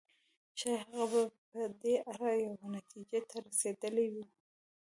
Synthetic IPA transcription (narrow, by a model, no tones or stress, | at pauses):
t͡ʃehaɣabapəd̪eʔaɾajawenat̪id͡ʒet̪ʰaɾased̪əlewi